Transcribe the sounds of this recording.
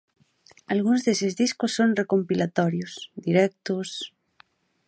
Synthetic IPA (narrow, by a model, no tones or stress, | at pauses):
alɣunzðesezðiskosːonrekompilat̪ɔɾjosd̪iɾɛk̚t̪os